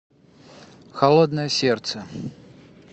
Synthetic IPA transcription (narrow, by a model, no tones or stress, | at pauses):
xalˠɔd̪nɐjɐsʲɛrt̪sɛ